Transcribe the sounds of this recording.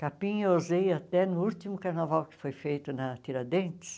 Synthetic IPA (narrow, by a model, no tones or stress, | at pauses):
kapĩozejat̪ɛnʊut̪imʊkaɾnavawkɪ̥fojfejt̪ʊnɐt̪iɾɐd̪ẽnt͡ʃɪ̥s